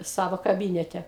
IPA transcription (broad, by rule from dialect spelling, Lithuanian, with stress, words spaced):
ˈsɑːʋoː kɐˈbʲiːnʲɛtʲɛ